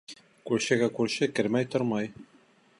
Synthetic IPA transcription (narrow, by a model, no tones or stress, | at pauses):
kʉɾɕɘ̆ɡækʉɾɕɘkɘ̆ɾmæjt̪oɾmɑj